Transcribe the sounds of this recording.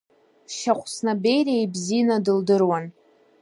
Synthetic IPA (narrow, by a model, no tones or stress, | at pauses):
ʃaχʷʰʼsnabe̞jriejbzinadɨldɨrwan